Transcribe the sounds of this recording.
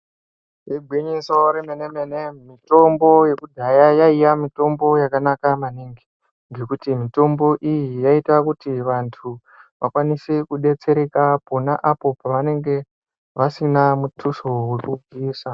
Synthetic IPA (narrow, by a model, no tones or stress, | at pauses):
iɡʱwiɲiso̞ɾemenemenemito̞mbo̞je̞kudʱajajaijamito̞mbo̞jakanakamaniːŋɡi̥ | ŋɡe̞kutimito̞mbo̞ʔijijaitakutiʋantʰu | ʋakwanisekuɗe̞t͡se̞ɾe̞kapo̞naʔapo̞paʋane̞ŋɡe̞ | ʋasinamutʰuso̞wekuviːsa